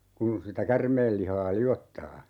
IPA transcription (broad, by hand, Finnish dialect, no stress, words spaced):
kun sitæ kærmeːl lihɑː liotːɑː